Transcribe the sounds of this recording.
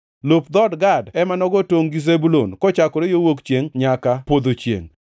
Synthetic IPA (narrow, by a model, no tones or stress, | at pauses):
lopd̪ɔdɡadɛmanɔɡɔtoŋɡizebulonkɔt͡ʃakɔɾejowokt͡ʃeŋɲakapod̪ot͡ʃjḛŋ